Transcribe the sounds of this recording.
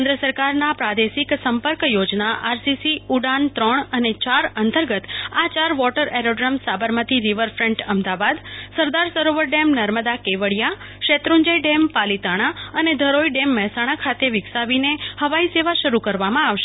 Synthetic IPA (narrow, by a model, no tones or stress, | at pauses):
kɛnd̪ɾəsəɾkaɾnapɾad̪esiksəmpəɾkjod͡ʒnaʔaɾsisiuɖant̪ɾəɳənet͡ʃaɾənt̪əɾɡət̪at͡ʃaɾʋɔʈəɾeɾoɖɾəmsabəɾmat̪ʰiɾiʋəɾfɾɛ̃ɳʈəmd̪aʋad̪səɾd̪aɾsəɾoʋəɾɖemnəɾməd̪akeʋəɭja | ʃet̪ɾuɲd͡ʒəiɖempalit̪aɽ̃aəned̪ʱəɾoiɖemːɛɦsaɽ̃akʰat̪eʋɪksaʋinehəʋaiseʋaʃəɾukəɾʋamãaʋʃe̥